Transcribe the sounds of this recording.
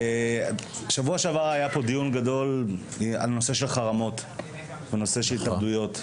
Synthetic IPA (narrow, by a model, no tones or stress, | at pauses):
e | ʃavuaʃeavaajapo̞d̪ijunɡado̞l | a̰lno̞se̞ʃe̞lχaʁamo̞t̪ | venose̞ʃelit̪abd̪ujo̞t̪